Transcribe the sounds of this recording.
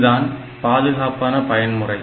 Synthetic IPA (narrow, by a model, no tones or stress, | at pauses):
ðaːn | paːðɯɣaːpaːnɐpɐjɐnmʊrɐɪ